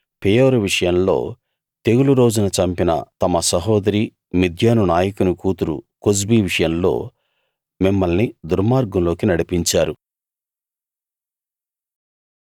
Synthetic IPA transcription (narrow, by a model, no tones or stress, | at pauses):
pijoːɾuʋiʂɐjɐmlo̞̰ː | t̪e̞ɡuluɾo̞ːd͡ʒunɐt͡ʃɐmpinɐ̰t̪ɐmɐsɐɦɔːd̪ɐɾiː | mid̪ʱjaːnunaːjɐkunukuːt̪uɾṵkos̬biːʋiʂɐjɐmlo̞̰ː | mimːɐlnid̪uɾmaːɾɡɐmlo̞ːkinɐɽipiɲt͡ʃaːɾu